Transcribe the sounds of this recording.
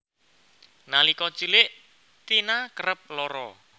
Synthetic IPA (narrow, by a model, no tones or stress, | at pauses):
nalikɔt͡ʃulɪʔ | t̪inakəɾəp̚lɔɾɔ̰